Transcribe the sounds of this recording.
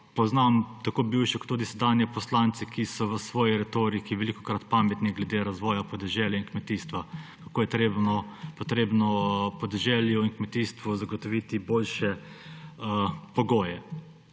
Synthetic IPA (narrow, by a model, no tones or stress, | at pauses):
pɔznamt̪akoːbiwʃɛkɔ̥t̪ːuːd̪isɛd̪aːnjɛpɔslant̪sɛkʰisɔʋəsʋɔːjiɾɛt̪oɾikiʋɛlikɔ̥kɾat̪pamɛt̪niɡlɛd̪eɾazʋɔːjapɔd̪ɛʒɛːljainkmɛt̪iːst̪ʋakakoːjɛt̪ɾebnɔpɔt̪ɾeːbnɔpɔd̪ɛʒɛːljuinkmɛt̪iːst̪ʋuzaɡɔt̪ɔʋit̪iboːlʃɛ | əpɔɡoːjɛ